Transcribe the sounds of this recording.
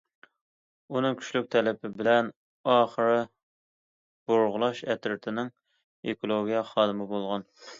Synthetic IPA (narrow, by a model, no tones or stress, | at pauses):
unɨŋkʲʰy̥ʃlyk̚ʲt̪ʰɛlɪpʰɪbɪlɛn | ɑːχəɾɨ | b̥oɾʁʊlˠɑʃɛt̪ɾɪt̪ʰɪnɪŋ | ekolˠoɡʲijɛχɑːd̪ɨmɨbolˠʁɑn